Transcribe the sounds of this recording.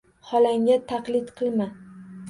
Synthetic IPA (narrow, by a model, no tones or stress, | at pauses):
hɒlaŋʲat̪ʰaqlɪt̪qʰɨlˠma